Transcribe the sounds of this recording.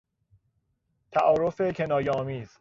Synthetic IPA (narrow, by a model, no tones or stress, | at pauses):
t̪ʰæʔɒːɾofe̞cʰe̞nɒːjeɒːmiːz̥